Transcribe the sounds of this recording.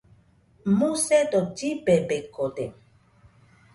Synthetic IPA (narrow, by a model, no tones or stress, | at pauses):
musɛdɔd͡ʒibɛbɛkɔdɛ